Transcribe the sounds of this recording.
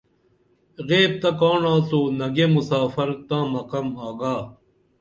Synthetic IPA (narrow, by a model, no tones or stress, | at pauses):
ɣeːb̚t̪ɐkaːɳãːt͡soːnɐɡemusaːfɐɾt̪ãːmɐkɐmaːɡaː